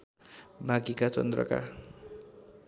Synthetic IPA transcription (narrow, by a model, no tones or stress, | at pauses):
bʱaɡikatʌnd̪ɾʌ̰ka̰